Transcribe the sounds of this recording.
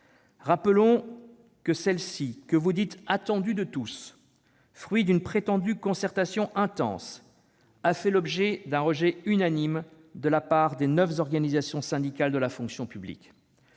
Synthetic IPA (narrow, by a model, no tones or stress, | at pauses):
ʁapəlɔ̃ | kəsɛlsikəvud̪it̪at̪ɑ̃d̪yd̪ət̪us | fχɥid̪ynpχet̪ɑ̃d̪ykɔ̃sɛʁt̪asjɔ̃ʔɛ̃t̪ɑ̰̃s | afɛlɔbʒɛd̪ɛ̃ʁəʒɛynanim | d̪əlapaʁd̪enœfzɔʁɡanizasjɔ̃sɛ̃d̪ikald̪əlafɔ̃ksjɔ̃pyblḭk